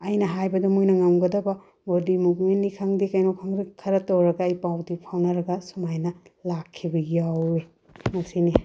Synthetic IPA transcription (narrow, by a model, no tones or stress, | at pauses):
ɐjnɐɦajbɐdɐmujnɐŋamɡɐdɐbɐ | boɾdimuɡmenːikʰaŋdikajnokʰaŋɾikʰɐɾɐtɐwɾɐɡɐːjpawdipʰawnɐɾɐɡɐsumajnɐlakʰːibɐɡiawɾi | mɐsini